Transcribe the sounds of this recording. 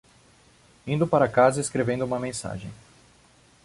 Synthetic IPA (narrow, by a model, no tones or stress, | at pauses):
ĩnd̪ʊpaɾɐakazɐeskɾevẽnd̪ʊũmɐmẽsa̰ʒẽj̃